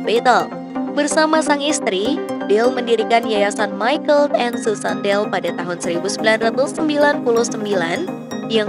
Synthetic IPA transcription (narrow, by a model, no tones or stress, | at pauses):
bɛt̪əl | bərsamasaŋist̪ɾidɛlməndiɾikanjajasanmajkəlt̪ɛnsusandɛlpadat̪aɦʊnsəɾibusəmbilanrat̪ʊsəmbilanpulʊhsəmbilan | jaŋ